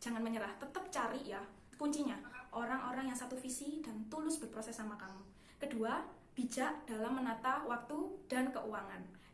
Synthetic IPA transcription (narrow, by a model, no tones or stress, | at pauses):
d͡ʒ̥a̤ŋanməɲəɾaht̪ət̪əp̚t͡ʃaɾiʔja | kuɲt͡ʃiɲaʔoɾaŋʔoɾaŋjaŋsat̪ufisid̥ant̪ulʊsb̥ərpɾosɛsːamakamu | kədua | b̥id͡ʒaʔd̥alamːənat̪ahwak̚t̪ud̥ankəʔuaŋan